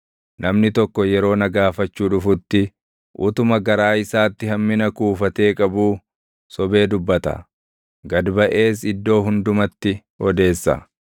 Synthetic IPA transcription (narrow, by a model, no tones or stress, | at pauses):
nʔɐmnɪt̪ɔkːɔjɛɾo̞ːnɐɡaːfɐt͡ʃːuːᶑʊfʊt̪ːɪ | ʔʊ̰t̪ʊmɐɡɐɾaːɪsaːt̪ːɪhɐmːɪnɐkuːfɐt̪e̞ːkʼɐbuː | sɔbe̞ːd̪ʊbːɐt̪ɐ̰ | ɡɐd̪bɐʔe̞ːs̬ɪd̪ːo̞ːɦʊnd̪ʊmɐt̪ːɪ | ɔd̪e̞ːsːɐ̰